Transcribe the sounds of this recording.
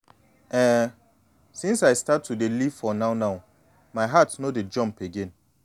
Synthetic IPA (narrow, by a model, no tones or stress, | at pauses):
ɛ | sĩnsaɪstatʰːudelifɔnaʊnaʊ | maɪɦatnoded͡ʒʌ̃mpeɡẽn